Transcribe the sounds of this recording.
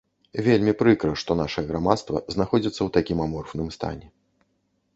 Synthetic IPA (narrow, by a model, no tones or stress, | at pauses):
vʲelʲmʲipɾɨkɾɐʂt̪ɔnaʂɨjɛɣɾamat̪st̪vɐ̰zn̪axɔd͡zʲit̪sːɐwt̪akʲimamɔrfnɨmst̪a̰nʲɛ